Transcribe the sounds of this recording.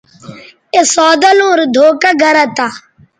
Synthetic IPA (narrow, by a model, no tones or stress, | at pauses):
esɔːd̪alũːɾd̪ʱoːkaɡɐɾat̪a